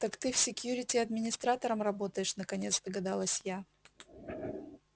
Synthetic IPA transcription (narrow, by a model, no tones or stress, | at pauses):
t̪akt̪ɨfʲsʲɪkʲjuɾʲɪtʲɪɐd̪mʲɪnʲɪst̪ɾat̪əɾəmɾɐbo̞t̪əjɪʂnəkɐnʲe̞t̪sd̪əɡɐd̪alˠəsʲja